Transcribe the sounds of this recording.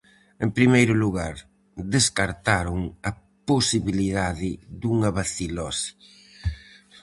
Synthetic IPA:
empɾimejɾʊluɣaɾ | ðeskaɾt̪aɾʊŋɐ | posiβiliðaðɪd̪uŋɐβaθilɔsi̥

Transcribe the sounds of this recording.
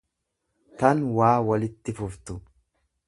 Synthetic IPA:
t̪ɐnwaːwɐlɪt̪ːɪfʊft̪ʊ

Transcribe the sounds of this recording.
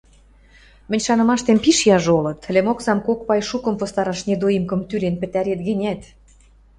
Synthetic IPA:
mɘ̆nʲʃɑnɤ̆mɑʃt̪empiʃjɑʒolɤ̆t̪lʲemoksɑmkokpɑjʃukɤ̆mpŏst̪ɑɾɑʃned̪ojəmkɤ̆mt̪ylenpɘ̆t̪æɾet̪ɡɘ̆nʲæt̪

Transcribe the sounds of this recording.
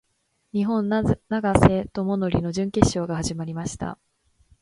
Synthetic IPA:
ɲ̟iɦõ̞nnaɡase̞t̪o̞mo̞no̞ɾʲino̞ʑɨ̃ŋke̞ɕːo̞ːɡahaʑimaɾʲimaɕi̥t̪a̰

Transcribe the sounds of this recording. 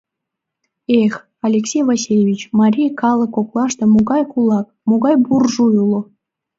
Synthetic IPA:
exʲ | ɑlʲeksʲejvasʲilʲevʲit͡ɕmɑɾʲijkɑlˠɤ̆kːoklˠɑʃt̪ɤ̆muɡɑjkulˠɑk̚muɡɑjburʒujulˠŏ

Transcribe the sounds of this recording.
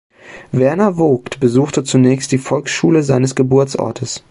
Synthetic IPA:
vɛɐnɐvoːktb̥əzuːxtət͡sunɛːçst̚d̥iːfɔlksʃuːləzaɪnəsɡ̥əbʊɐt͡sʔɔ̰ɐtʰəs

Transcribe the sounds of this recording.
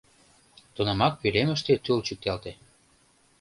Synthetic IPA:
t̪onɑmɑk̚pylemə̆ʃt̪et̪ult͡ɕyk̚t̪ɑlt̪e

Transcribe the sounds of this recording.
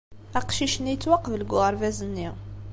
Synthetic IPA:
æqʃiʃənjət͡sːwɑqːfləɡʊʁəɾˤvæzənːi

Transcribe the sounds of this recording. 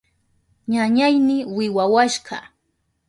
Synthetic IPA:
ɲaɲajnɪwɪwawaʃɢɑ̰

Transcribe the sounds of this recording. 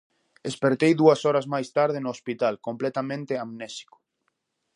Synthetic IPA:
espeɾt̪ejðuɐsɔɾɐzmajst̪aɾð̞ɪnoːspit̪alkomplɛt̪amẽnt̪eamnɛsi̥kʊ̥

